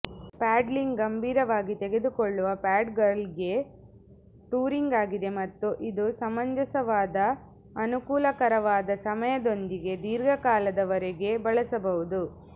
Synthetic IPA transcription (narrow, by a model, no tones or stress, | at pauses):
paːɖliŋɡɡɐmbʱiːɾɐʋaːɡit̪eɡe̞d̪ukoɭːuʋɐpaːɖɡɐɾlɡe̞ | ʈuːɾiŋɡaːɡid̪e̞mɐt̪ːuʔid̪usɐmɐɲd͡ʒɐsɐʋaːd̪ɐː | nukuːlɐkɐɾɐʋaːd̪ɐsɐmɐjɐd̪o̞nd̪iɡe̞d̪iːɾɡʱɐkaːlɐd̪ɐʋɐɾɛɡe̞bɐɭɐsɐbɐʋud̪u